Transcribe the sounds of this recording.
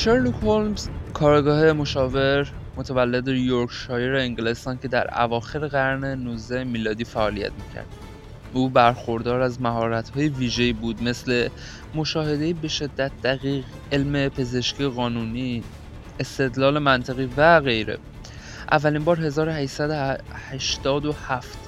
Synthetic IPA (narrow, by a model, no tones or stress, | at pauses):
ʃeɾlukholmz̥kʰɒːɾɡɒːhe̞mo̞ʃɒːve̞ɾ | mo̞t̪ʰævælːed̪ejoɾkʰʃɒːjeɾeeŋɟele̞st̪ɒːncʰe̞d̪æ̰ɾæ̰vɒːxe̞ɾeɣæɾne̞nuzd̪æhemiːlɒːd̪iːfæɒːlijæ̰t̪miːcʰæ̰ɾd̪̥ | ʔuːbæɾxo̞ɾd̪ɒːɾæzmæɦɒːɾæt̪ʰhɒːjeviːʒeibuːd̪me̞sle̞ | mo̞ʃɒːhed̪e̞jibe̞ʃe̞d̪ːæt̪̚d̪̥æɣiːɣ | e̞lme̞pʰe̞ze̞ʃkciːeɣɒːnuːniː | est̪e̞d̪lɒːle̞mænt̪ʰeɣiːvæɣe̞jɾḛ | ʔævːæliːmbɒːɾɦe̞zɒːɾohæʃsæd̪ohæʃt̪ɒːd̪o̞hæft̪